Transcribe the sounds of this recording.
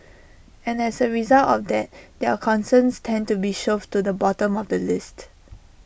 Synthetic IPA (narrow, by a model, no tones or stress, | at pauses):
ɛ̃nɛsəɹizaltɔfdɛt̚dɛəkʰɔ̃nsə̃nstʰɛ̃ntubiʃəftːudəbɔtə̃mɔfdəlɪst